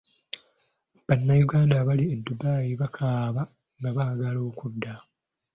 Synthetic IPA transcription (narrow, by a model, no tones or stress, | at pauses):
βanːajuɡaːndaβaliedːubaːjiβakʰaːβa | ŋɡaβaɡalo̞ːkudːa